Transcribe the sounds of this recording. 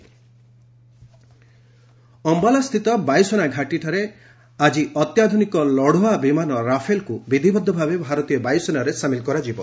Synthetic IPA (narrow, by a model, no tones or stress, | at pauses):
ɔmbalast̪ʰit̪ɔbajsɔnaɡʱaʈiʈʰaɾe | ad͡ʒiɔt̪jad̪ʱunikɔlɔɽ̤oabimanɔɾapʰelkubid̪ʱibɔd̪ʱːɔbʱabebʱaɾɔt̪ijɔbajsɔnaɾesamilkɔɾad͡ʒibɔ